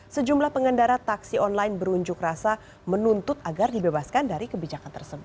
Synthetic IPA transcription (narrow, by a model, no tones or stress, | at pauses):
səd͡ʒumlahpəŋəndaɾat̪aksiɔnlajnbəɾuɲd͡ʒʊkrasa | mənunt̪ʊt̪̚aɡardibebaskandaɾikəbid͡ʒakant̪ərsəbʊt̪